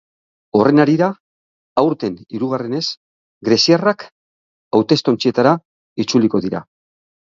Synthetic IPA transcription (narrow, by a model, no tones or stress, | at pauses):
o̞re̞naɾiɾaː | wɾt̪e̞niɾuɣ̞are̞ne̞s | ɡɾe̞siarak | awt̪e̞st̪o̞nt͡sie̞t̪aɾa | it͡suliko̞ðiɾa̰